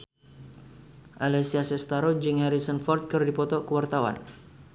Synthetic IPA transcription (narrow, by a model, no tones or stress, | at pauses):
ʔalɛsiasɛst̪aɾod͡ʒɨŋhɛɾisənfɔrt̪̚kɨrdipɔt̪ɔkəwart̪awa̰n